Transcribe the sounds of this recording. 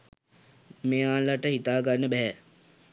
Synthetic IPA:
meːaːlaʈəɦit̪aːɡanːəbɛɦæ

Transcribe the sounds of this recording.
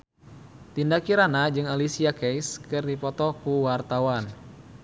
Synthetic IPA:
t̪indakiɾanad͡ʒɨŋalisiakɛjskɨrdipɔt̪ɔkuwart̪awan

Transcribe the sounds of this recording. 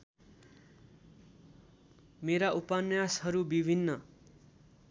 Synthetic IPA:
meɾaʔupanjashʌɾubibʱinːʌ

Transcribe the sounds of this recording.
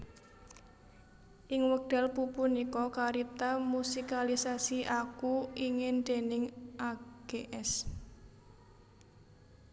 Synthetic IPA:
ʔɪŋwək̚ɖ̥a̤lpupunikɔkaɾit̪amusikalisasiʔakuiŋɪnd̪̥enɪŋʔaɡ̥eʔɛs

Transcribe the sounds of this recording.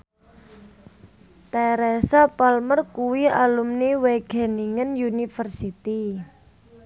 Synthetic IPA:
t̪ɛɾɛsapalmərkuwialumniweɡ̥ɛ̤niŋənjunifərsit̪i

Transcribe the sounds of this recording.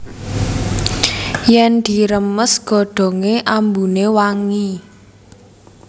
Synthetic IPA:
jɛnd̪̥i̤ɾəməsɡ̥ɔ̤ɖ̪̥ɔ̤ŋeʔambunewaŋi

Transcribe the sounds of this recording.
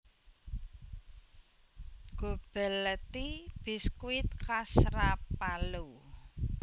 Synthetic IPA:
ɡ̥o̤b̥ɛ̤lːɛt̪ib̥iskwɪt̪̚kasɾapalu

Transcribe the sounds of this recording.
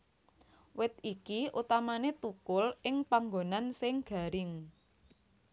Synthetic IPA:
wɪt̪̚ikiʔṵt̪amanet̪ukʊlɪŋpaŋɡonansɪŋɡ̥a̤ɾɪŋ

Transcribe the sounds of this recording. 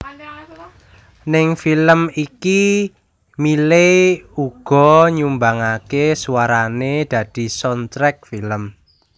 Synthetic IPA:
nɪŋfiləmiki | mileuɡ̥ɔ̤ɲumbaŋakesuwaɾaned̪̥ä̤d̪̥i̤sɔnt̪ɾɛk̚filəm

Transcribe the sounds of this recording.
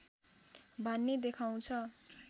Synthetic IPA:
bʱʌnːed̪ekʰaw̃t͡sʰʌ

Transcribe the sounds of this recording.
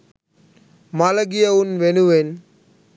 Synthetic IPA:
maːlɐɡɪjɐʋʊnʋenuʋen

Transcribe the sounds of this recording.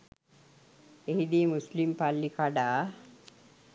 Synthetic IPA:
eɦid̪imuslimpalːikaɖa

